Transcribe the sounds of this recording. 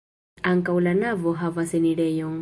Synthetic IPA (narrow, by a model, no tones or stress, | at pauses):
aŋkʼaulanavɔɦavaseniɺɛjɔŋ